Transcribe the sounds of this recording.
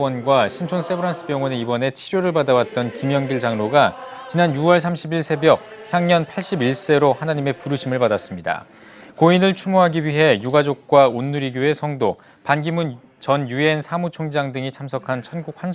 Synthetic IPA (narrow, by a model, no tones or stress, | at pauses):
ʌnɡwaɕʰint͡ɕʰons͈ʰe̞bʰɯɾans͈ʰɯ̥pjʌŋwʌneibʌne̞t͡ɕʰiɾjoɾɯɭpadawat̚t͈ʌnkimjʌŋɡiɭd͡ʑaŋɾoɡa | t͡ɕinanjuwʌɭs̬ʰamɕʰibiɭsʰe̞bjʌk̚çjaŋɲʌnpʰaɭɕ͈ibiɭs͈e̞ɾohanaɲime̞puɾɯɕʰimɯɭpadas͈ɯmɲida̰ | koinɯɭt͡ɕʰumoɦaɡiwɥiɦe̞juɡad͡ʑok̚k͈waonːuɾiɡjoe̞sʰʌŋdo | panɡimun | t͡ɕʌnjue̞nsʰamut͡ɕʰoŋd͡ʑaŋdɯŋit͡ɕʰamsʰʌkʰant͡ɕʰʌnɡuk̚ɸan